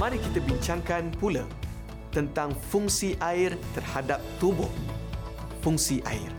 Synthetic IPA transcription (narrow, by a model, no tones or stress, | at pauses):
mãɾikit̪abiɲt͡ʃaŋkanpula | t̪ənt̪aŋfuŋsiʔaɪrt̪ərhadap̚t̪ubʊh | fuŋsiʔa̰ɪr